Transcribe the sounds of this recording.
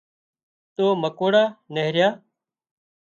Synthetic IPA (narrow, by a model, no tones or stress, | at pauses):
t̪oːməkoːɽaːneɦɾjaː